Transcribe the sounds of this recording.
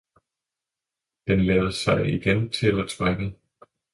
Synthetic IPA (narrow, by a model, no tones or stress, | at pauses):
d̥enlɛːð̩ˠsɑ̈ɪiɡ̥ent͡sʰe̝lɒt͡sʰʁaɡ̥ə